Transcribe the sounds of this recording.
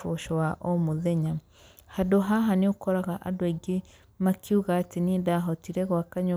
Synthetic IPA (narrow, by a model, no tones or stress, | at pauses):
oʃowaʔomuðeɲa | hadoɦaɦaniokɔɾaɣaʔa̰dweɡe | makjuɣatinindaɦɔtiɾeɣwakaɲo